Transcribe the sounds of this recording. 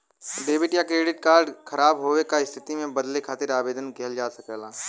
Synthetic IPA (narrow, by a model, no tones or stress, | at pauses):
ɖeːbɪʈjakɾeːɖɪʈ̚kaːɾɖkʰɐɾaːbɦoːwekaɪst̪ʰɪt̪imẽbɐd̪lekʰaːt̪ɪɾaːbeːd̪ənkɐɦəld͡ʒaːsɐkeːlaː